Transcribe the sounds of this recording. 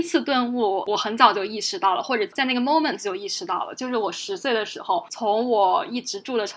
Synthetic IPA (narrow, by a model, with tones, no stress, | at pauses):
t͡sʰɹ̩˥˧t̪wə˥˧nu˥˩wɔ˨˩xə˧˥nt͡sɑ˨˩ʊt͡ɕjo˥˧ʊi˥˧ʂɻ̩˥˧t̪ɑ˥˩ʊlə̰˩xwɔ˥˩ʈ͡ʂɤ˨˩t͡sa˥˧ɪna˥˩ɡə˩mo˥ʊmə˨nt͡st͡ɕjo˥˧ʊi˥˩ʂɻ̩˧t̪ɑ˥˩ʊlə̰˩t͡ɕjo˥˧ʊʂɻ̩˥˩wɔ˨˩ʂɻ̩˧˥swe˥˩ɪd̪ə˩ʂɻ̩˧˥xo˥˧ʊt͡sʰʊ˧˥ŋwɔ˨˩i˥˩ʈ͡ʂɻ̩˧˥ʈ͡ʂu˥˩d̪ə˩ʈ͡ʂʰ